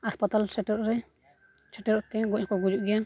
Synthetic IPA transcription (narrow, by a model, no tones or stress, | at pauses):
aɾpat̪alsɛʈɔɾɾɛ | sɛʈɛɾɔt̪ɛɡɔɲkɔɡud͡ʒuʔɡɛa